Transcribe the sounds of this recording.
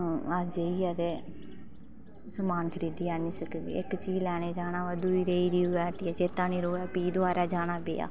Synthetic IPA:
ad͡ʒeiːaːt̪eː | səmaːnkʰəɾiːd̪iːaːnĩːsəkd̪ḭːɪkt͡ʃiːlɛːñeːd͡ʒaːnaːəd̪uːiːɾeiːd̪iːʋɛːʈiːɛːd͡ʒeːt̪ãːniːɾoːɛːpiːd̪ʊaːɾaːd͡ʒaːnaːbḛːa̰ː

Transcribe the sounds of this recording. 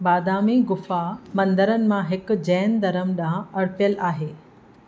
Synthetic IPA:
baːd̪aːmiɡʊfamɐ̃nd̪əɾənɪ̆mãɦɪkʊ̆d͡ʑɛːnd̪ɐɾəmɗãɐɽpijəlaːɦeː

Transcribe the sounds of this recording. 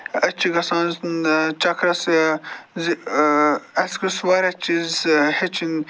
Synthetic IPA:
ɐt͡ʃʰːiɡɐsãːnznt͡ʃɐkʰɾɐs | z | ɐskɐswaɾɐt͡ʃizhet͡ʃʰin

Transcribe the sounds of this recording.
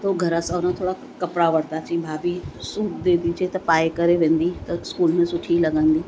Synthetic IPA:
t̪ɐuɡʱɐɾasɐʋnãt̪ʰoːɽa | kɐpɽaʋɐɽt̪aːt͡ɕĩbʱaːbisuːʈ̪d̪eːd̪id͡ʑʰeːt̪ɐpaːekɐɾeʋẽːn̆d̪it̪ɐɪskuːlmẽsʊʈʰilɐɡə̃nd̪iː

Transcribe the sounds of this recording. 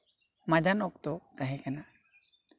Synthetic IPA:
mad͡ʒanɔkt̪ɔt̪aɦɛkana

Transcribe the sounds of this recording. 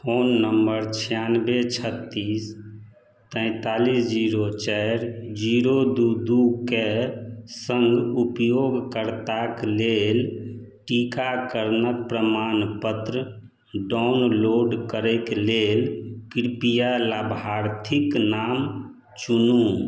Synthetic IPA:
pʰonːəmbəɾt͡ʃʰijanbet͡ʃʰət̪ːis | t̪ə̃ɪ̃t̪alisd͡ʒiɾot͡ʃɛɾd͡ʒiɾod̪ud̪uke | səŋɡupjoɡkəɾt̪aklel | ʈikakəɾnək̚pɾəmanpət̪ɾə | ɖanloɖkəɾɛklelkiɾpijalabʱaɾt̪ʰiknam | t͡ʃunum

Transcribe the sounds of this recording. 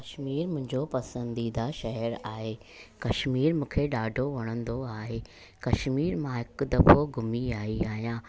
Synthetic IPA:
kɐʃmiːɾmʊ̃ɦɪ̃ɲd͡ʑopɐsə̃nd̪id̪aʃɐɦəɾaːɦeː | kɐʃmiːɾmũːkʰeɗaːɖʱoʋɐɽ̃ə̃nd̪oaːɦeː | kɐʃmiːɾmãɦɪkʊ̆d̪ɐfoɡʱʊmiaːɦiaːɦijãː

